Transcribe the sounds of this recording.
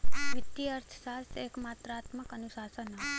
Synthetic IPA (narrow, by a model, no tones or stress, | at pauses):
ʋɪt̪ːiəɾt̪ʰsasekmat̪ɾəat̪məkənusasəna